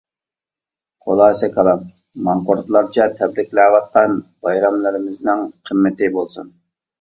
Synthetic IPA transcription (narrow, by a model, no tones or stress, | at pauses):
qʰolˠɑːsɛkʰɑlˠɑmː | ɑŋqoɾt̪lˠɑɾt͡ʃʰɛt̪ʰɛbɾɪkʲlɛːwɑt̪̚qɑnbɑjɾɑmlˠɪɾɪmɪznɪŋqʰəmːɪt̪ɪbolˠsṵn